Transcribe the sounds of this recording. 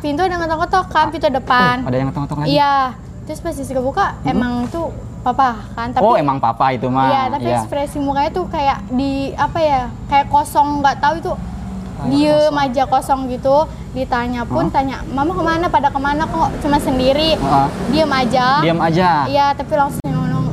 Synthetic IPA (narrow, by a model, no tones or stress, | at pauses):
pint̪uadaŋət̪aŋkot̪ɔkampit̪udəpanpadajaŋət̪aŋt̪ɔkaija | t̪ɾʊspast̪is̬ikəbukaemaŋt̪u | papakant̪aoemaŋpa̰pait̪umaijat̪apiɛkspɾesimukaɲat̪ukajaʔdiapaja | kajaʔkosɔŋɡaʔt̪auit̪u | diəmad͡ʒakosɔŋɡit̪u | dit̪aɲapʊnt̪aɲaʔmamakəmanapadakəmanakɔt͡ʃumasəndiɾiɔdiəmad͡ʒadiəmad͡ʒaijat̪apilaŋsʊŋnnɔŋ